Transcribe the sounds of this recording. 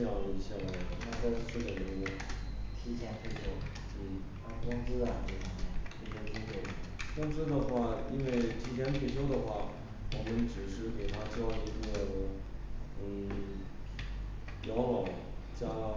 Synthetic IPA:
jɑ˥˩ŋlə˩i˧˥ɕja˥˩la˧˥xɔ˥˩t̪ʰa˥t͡sa˥˧ɪʂ̩˥ʂ̩˥˩ə˨˩li˧˩me˥˩t̪ʰi˧˥t͡ɕʰja˧˥nt̪ʰe˥˩ɕʰjo˥ʊ | n̩˥˩˥ | kwʊ˥ŋt͡sɹ̩˥ɐ˨˩ʈ͡ʂɤ˥˧˩ʈ͡ʂʊ˧˩˥t̪ʰe˥˩ɛ˧˥t͡ɕʊ˥te˥˩kɑ˥ŋʈ͡ʂ̩˥d̪ə˨xwa˥˩i˥nwe˥˩ɪt̪ʰi˧˥t͡ɕ̪ʰjɛ˧˥nt̪ʰwe˥˩ɪɕʰjo˥ʊd̪ə˨xwa˥˩ | wɔ˨˩mə˦nʈ͡ʂɻ̩˨˩ʂɻ̩˥˩ke˨˩ɪt̪ʰa˥t͡ɕi˥˩ʈ͡ʂd̪ə˩ | n̩˥˩ | jɑ˧˥ʊlɑ˨˩˦ʊ | t͡ɕja˥

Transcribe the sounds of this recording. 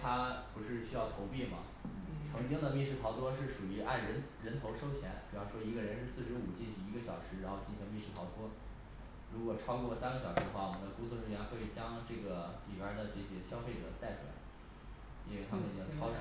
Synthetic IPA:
t̪ʰa˥pu˧˥ʂɻ̩˥˧ɕy˥jɑ˥˩ʊt̪ʰo˧˥ʊpi˥˩mɐ̰˩˥˩ | t͡sʰɤ˧˥ŋt͡ɕi˥ŋd̪ə˨mi˥˧ʂɻ̩˥˩t̪ʰɑ˧˥ʊt̪wɔ˥ʂɻ̩˥˩ʂu˨˩y˧˥ʔa̰˥˩nɻə˧˥nɻə˧˥nt̪ʰo˧˥ʊʂo˥ʊt͡ɕʰjɛ̰˧˥npi˨˩ɑ˥ʊʂwɔ˥i˧˥ɡə˧ɻə˧˥nʂɻ̩˥˧sɹ̩˥˩ʂɻ̩˧˥u˨˩t͡ɕi˥˩nt͡ɕʰy˨˩i˧˥ɡə˧ɕjɑ̰˨˩ʊʂɻ̩˧˥ɻa˧˥nxo˥˧ʊt͡ɕi˥˩nɕi˧˥ŋmi˥˧ʂɻ̩˥˩t̪ʰɑ˧˥ʊt̪wɔ˥ | ɻu˧˥kwɔ˨˩ʈ͡ʂʰɑ˥ʊkwɔ˥˩lə˩sa˥nɡə˩ɕjɑ˨˩ʂɻ̩˧˥ə˧xwa˥˩wɔ˨˩mə˦nd̪ə˧ku˥t͡sʰwɔ˥˧ʈ͡ʂɻ̩˥˩ɥɛ˧˥nxwe˥˩i˨˩t͡ɕjɑ˥ŋʈ͡ʂɤ˥˩ɡə˩li˨˩wə˞˧˥d̪ə˨ʈ͡ʂɤ˥˩ɕɛ˥ɕjɑ˥ʊfe˥˩ɪʈ͡ʂɤ̰˨˩t̪a˥˩ɪʈ͡ʂʰu˥˩la̰˧˥ɪ | ḭ˥nwe˥˩ɪt̪ʰa˥mə˨n˧jo˥˩ʈ͡ʂʰɑ˥ʊ˥

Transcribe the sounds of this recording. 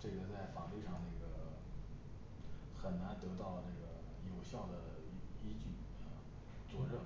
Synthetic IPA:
ʈ͡ʂɤ˥˩ɡə˩t͡sa˥˩ɪfɑ˨˩t̪wi˥˧ʂɑ˥˧ŋnə˥˩ɡə˩ | xə˨˩nna˧˥nt̪ɤ˧˥t̪ɑ˥˧ʊʈ͡ʂɤ˥˩ɡə˩ | jo˨˩ʊɕjɑ˥˩ʊd̪ə˩˧˥ | i˥t͡ɕy˥˩a˥˧ | t͡swɔ˥˧ɻɤ˥˩

